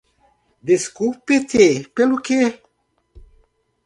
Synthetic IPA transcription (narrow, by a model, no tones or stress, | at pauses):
d̪eskupet̪ʰepeluke